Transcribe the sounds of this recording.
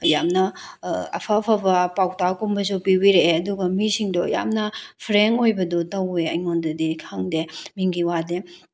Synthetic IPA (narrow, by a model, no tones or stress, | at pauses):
jamnɐɐ̰pʰɐpʰɐbɐpawtakumbɐz̬opiwiɾeɐduɡɐmisiŋdɔja̰mnɐpʰɾeŋojbɐdɔtɐweɐjŋondɐdikʰaŋdemiŋɡiwade